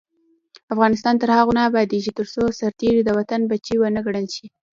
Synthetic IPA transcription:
afɣɑnɪst̪ɑnt̪əɾhaɣonɑbɑd̪eʒit̪əɾsosaɾt̪eɾid̪əwat̪anbat͡ʃiwənəɡɽənʃi

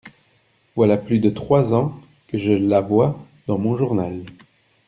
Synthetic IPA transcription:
vwalaplyd̪ət̪χwazɑ̃ | kəʒəlavwa | d̪̥ɑ̃mɔ̃ʒuʁnal

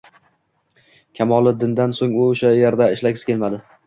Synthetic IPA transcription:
kʲʰamɒlˠɪd̪ɪnd̪ansoŋʊʊʃajeɾd̪aɪʃlakʲsɪ̥kʲe̞lmad̪ɪ

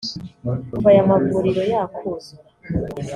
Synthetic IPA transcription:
kuvajamavuːɾiɾo̞jakʰuze

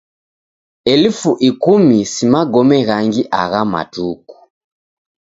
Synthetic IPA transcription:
ɛlifuʔikumisimaɡɔmɛɣaŋɡiʔa̰ɣama̰tuku̥

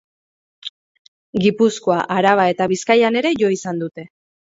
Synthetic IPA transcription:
ɡipusko̞aʔaɾaβ̞ae̞t̪aβ̞iskajane̞ɾe̞ʝo̞isand̪ut̪e̞

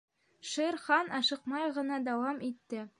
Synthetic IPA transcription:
ʃɤɾχɑnɑʃɤ̆qmɑjʁɤ̆nɑd̪æwɑmit̪ːɘ

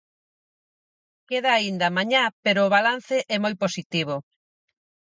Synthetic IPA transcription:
keðaːind̪ɐmaɲapeɾoːβalan̟θeʔɛmojposit̪iβ̞o

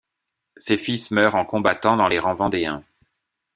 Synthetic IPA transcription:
sefismœʁɑ̃kɔ̃bat̪ɑ̃d̪ɑ̃leʁɑ̃vɑ̃d̪eɛ̰̃

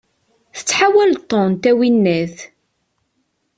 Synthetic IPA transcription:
θə̥t͡sːħawælt̪ˤːont̪æwinːæθ

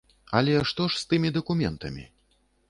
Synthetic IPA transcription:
ɐlʲɛʂt̪ɔʂst̪ɨmʲid̪ɐkumʲɛ̰nt̪ɐ̰mʲḭ

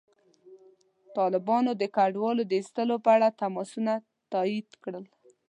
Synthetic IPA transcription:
t̪ɑlɪbɑnod̪əkaɖwɑlod̪əist̪əlopəaɽat̪amɑsuna | t̪ɑid̪kɽəl

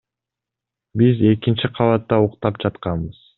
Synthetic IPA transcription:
bize̞kint͡ʃiqʰɑlˠɑt̪ːɑuqt̪ɑp̚d͡ʒɑt̪qɑnbɯz̥

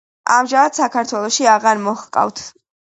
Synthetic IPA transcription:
a̰mʒamad̪̥sakʰaɾt̪ʰwɛlˠɔʃiaʁaɾmɔχqʼa̰vt̪ʰ

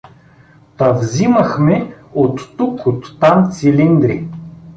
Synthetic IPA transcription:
t̪ɐvzimɐxmɛot̪ːukot̪ːamt̪silind̪ɾi

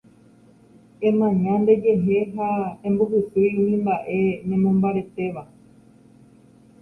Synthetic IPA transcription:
ẽ̞mãɲãnd̪e̞d͡ʒe̞ɦe̞ɦaẽmbuhɨsɨũmĩmbaʔe̞nẽ̞mõmbaɾe̞t̪e̞ʋa

